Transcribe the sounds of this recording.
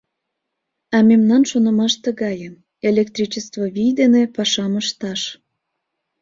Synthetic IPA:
ɑmemnɑnʃonə̆mɑʃt̪ə̆ɣɑjə | elʲekt̪ɾit͡ɕəst̪voβijd̪enepɑʃɑməʃt̪ɑʃ

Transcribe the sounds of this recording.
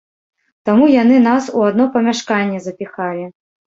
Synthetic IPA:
t̪amujanɨnasuad̪̚nɔpɐmʲaʂkanʲːɛzɐpʲixalʲi

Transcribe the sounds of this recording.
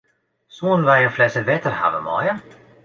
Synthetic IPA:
suːnvajənflɛsəlvɛt̪əɾha̰və̰mɑ̰jə

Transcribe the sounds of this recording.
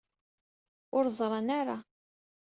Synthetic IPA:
ʊɾzˤɾˤɑnaɾˤa

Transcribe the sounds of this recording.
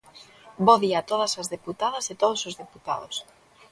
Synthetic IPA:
boðiat̪oð̞ɐsɐzðeput̪aðɐset̪oð̞osozðeput̪a̰ðo̰s

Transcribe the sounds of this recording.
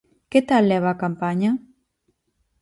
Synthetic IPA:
ket̪alːɛβakampaɲa

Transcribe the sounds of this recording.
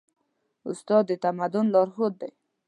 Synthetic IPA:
ʊst̪ɑd̪ːət̪amad̪ʊnlɑɾxot̪̚d̪aj

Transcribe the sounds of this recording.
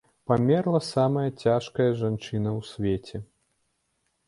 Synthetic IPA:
pamʲɛrlˠɐsamɐjɐt͡sʲaʂkɐjɐʐant͡ʂɨnɐwsʲvʲɛt͡sʲɛ

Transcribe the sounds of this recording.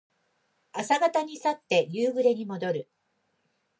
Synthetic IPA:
asaɡat̪aɲ̟isat̪ːe̞jɯːɡɯ̟ɾe̞ɲ̟imo̞d̪o̞ɾɯ̟

